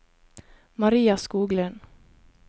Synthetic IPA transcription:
maɾiːaskuːɡlɛn

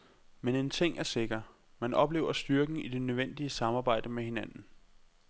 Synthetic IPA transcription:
mene̝nt͡sʰe̝ŋ̰æɐse̝ɡ̥ɐ | mænɒ̽b̥le̝̰ːʊɐsd̥yɐɡ̥n̩id̥e̝nøʋen̰d̥iəsɑ̈mɑ̈ːbɑ̈ɪ̰d̥əmehe̝nænn̩

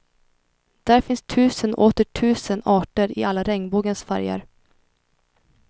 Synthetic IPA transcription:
d̪̥æːɾfɪnst̪ʰʉ̟ːsənʔoːt̪əʈʰʉ̟ːsənɑːʈəɾɪalːaɾɛŋbuːɡənsfæ̰ɾja̰ɾ

